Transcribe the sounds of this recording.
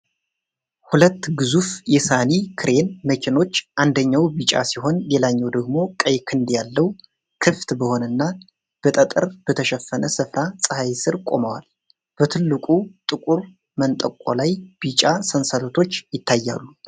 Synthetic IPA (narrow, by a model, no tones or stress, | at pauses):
hulət̪ːɡɨzufjɛsanikʰɨɾe̞nməkʰeno̞t͡ʃːʔand̪əɲːawbit͡ʃʼa̰siho̞nle̞laɲːɛwd̪əɡmo̞kʼəjkʰɨnd̪jalːəw | kʰɨft̪bəho̞nɨnːa | b̥ət̪ʼət̪ʼɨɾb̥ət̪ʰəʃɛfːənəsɨfɾasʼɨhajsɨɾkʷʼo̞̰məwa̰l | b̥ət̪ʰɨlːɨkʼut̪ʼɨkʼuɾ | mənt̪ʼəkʷʼːo̰lajb̥it͡ʃʼasənsəlot̪ʰo̞t͡ʃːjɪt̪ʰːajːa̰lːu